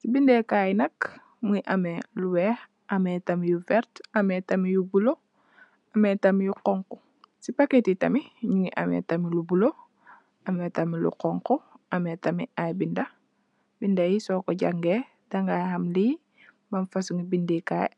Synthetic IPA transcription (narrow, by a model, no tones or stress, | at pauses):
sibindekaːjnɐk | muŋiʔɐmeluwɛːx | ʔɐmɛːtɐmijufɛɾtɐmetɐmijubulo | ɐmetɐmijuqɔŋku | sipaketitɐmiɲuŋiʔɐ̰mɛ̰tɐmilubulo | ɐmɛtɐmilṵqɔŋkɔʔɐmetɐmḭajbindɐ | bindɐjisɔːkɔɟaŋɡe | daŋɡajhɐmliː | mɐnfasuŋibindɛka̰ːj̰